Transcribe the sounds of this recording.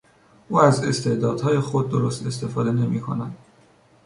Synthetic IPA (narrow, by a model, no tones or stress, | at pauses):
ʔuːæze̞st̪e̞ʔd̪ɒːd̪̥hɒːje̞xo̞d̪̚ːoɾo̞st̪e̞st̪e̞fɒːd̪e̞ne̞miːkʰo̞̰næd̪̥